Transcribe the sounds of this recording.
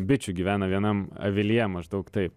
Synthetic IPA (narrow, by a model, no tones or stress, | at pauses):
bʲɪt͡ʃʲʊɡʲiʋʲæːnɐʋʲiɛnɐmɐ̰ʋʲɪlʲiɛmɐʒd̪ɐʊkt̪ɐɪp